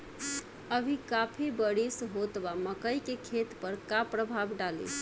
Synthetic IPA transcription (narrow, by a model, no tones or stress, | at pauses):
əbʱikapʰibəɽisɦot̪baməkəjkekʰet̪pəɾkapɾəbʱabɖalḭ